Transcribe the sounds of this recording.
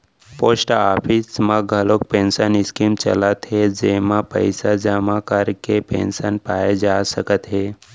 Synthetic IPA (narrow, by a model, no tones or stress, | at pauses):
poːsʈaːpʰismãɡʱəlok̚pẽnsənɪskimt͡ʃə̰lət̪ɦed͡ʒeːmãpə̰ɪsad͡ʒəmakəɾkepḛ̃nsənpaːjed͡ʒasəkət̪ɦeː